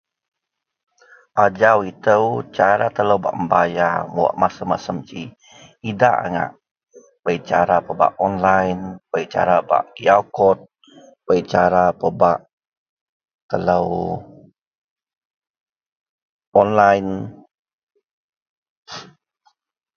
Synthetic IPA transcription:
ʔad͡ʒawit̪əwt͡ʃaɾat̪ələwba̰ʔəmbajaməwa̰ʔmasəmasəmt͡ʃi | idaʔa̰ŋa̰ʔ | bəit͡ʃaɾapəba̰ʔɔnlajnpəit͡ʃa̰ɾaba̰ʔkiawkɔt̪̚ | pəit͡ʃaɾapəbaʔ | t̪ələw | ɔnlajn

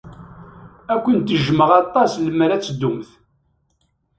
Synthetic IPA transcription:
ækʷːənt̪əʒməʁɑt̪ˤːɑsləmːəɾæt͡sːd̪ːʊmθ

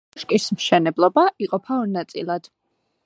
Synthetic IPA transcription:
ʃkʼismʃɛnɛblˠɔbaʔiqʼɔpʰaɔnat̪sʼḭlˠad̪̥

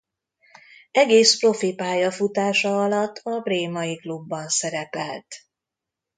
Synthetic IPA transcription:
ɛɡeːspro̞fipaːjɒfut̪aːʃɒɒlɒt̪ːɒbreːmɒjiklubːɒnsɛɾɛpɛlt̪

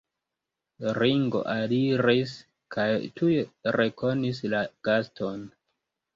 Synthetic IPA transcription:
ɾiŋɡo̞̰ʔaliɾis | kʰajtʰujeɾe̞ko̞nislaɡ̥astʰo̞n

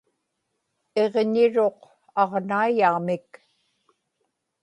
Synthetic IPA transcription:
e̞ʁɲɪɻo̞q | ɑʁnaijaːmɪk

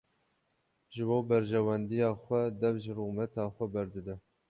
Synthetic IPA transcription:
ʒɨboːbɛɾʒɛwɛnd̪ijɑːxʷɛd̪ɛvʒɨruɣmɛt̪ʰɑːxʷɛbɛɾd̪ɨd̪ɛ

